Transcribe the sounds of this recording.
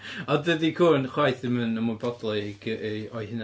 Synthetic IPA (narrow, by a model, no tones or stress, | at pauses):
ɔdədikʰuːnχwajθɪmənəmʊbɔdlˠɔɡɔjɪna